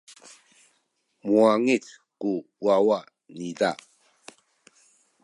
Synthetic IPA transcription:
mwaŋit | ku | wawa | nid̪a

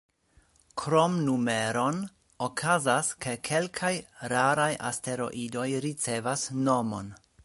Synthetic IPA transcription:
kʰɾomnume̞ɾo̞n | okʰazaske̞kʰe̞lkʰajɾaɾajʔa̰ste̞ɾo̞̰ʔido̞jɾit͡se̞vasno̞mo̞̰n

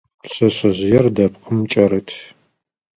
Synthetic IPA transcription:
sɐɕɐʑɪjɛrdɐp̚qəmt͡ʃʼɐɾɨtʰ

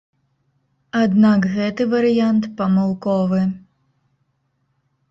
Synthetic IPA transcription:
ad̪nakɣɛt̪ɨvɐɾɨjant̪pɐmalˠkɔvɨ

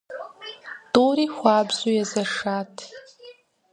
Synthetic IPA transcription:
d̥ʼoɾiχʷaːbzojazaʂatʰ

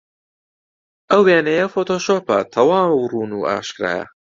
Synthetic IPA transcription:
ʔɐweːnɐjɐfoːt̪ʰoːʃoːpɐt̪ʰɐwaːmwruːnuːʔa̰ːʃkɾa̰ːjɐ̰

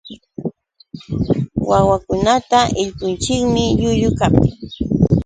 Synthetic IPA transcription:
wawakʊnat̪aʔɪʎkʊnt͡ʃɪkmɪʎʊʎʊkap

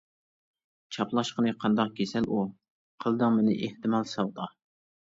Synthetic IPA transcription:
t͡ʃʰɑplˠɑʃqənɨqʰɑnd̪ɑq̚kʲʰesɛlʔu | qʰəlˠd̪ɨŋmɪnɪ̰ʔeht̪ɨmɑlˠsɑwd̪ɑ

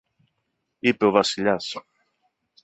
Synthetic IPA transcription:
ipeoβasiʎas

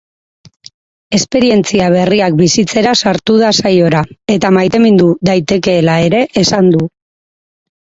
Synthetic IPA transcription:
e̞spe̞ɾie̞nt͡siaβ̞e̞riak̚bisit͡se̞ɾasaɾt̪uð̞asajo̞ɾae̞t̪amajt̪e̞mind̪uðajt̪e̞ke̞ːlae̞ɾe̞ʔesand̪u

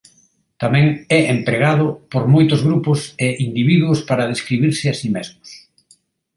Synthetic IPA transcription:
t̪amɛ̃ŋɛʔempɾeɣaðʊpoɾmojt̪ʊzɣɾupʊsɪind̪iβiðwʊspaɾaðeskɾiβiɾsɪasimezmʊs

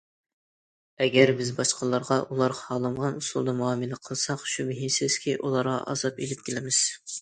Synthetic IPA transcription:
ɛɡʲɛɾbɪzbɑʃqəlˠːɑɾʁɑʔulˠɑɾhɑlˠɨmʁɑnusulˠd̪ɑmuɑːmɨlɪqʰəlˠsɑqʃumɪɦinsɪz̥kʲiʔulˠɑɾʁɑ̰ʔɑ̰zɑpelɪp̚kʲʰelɪmɪz̥

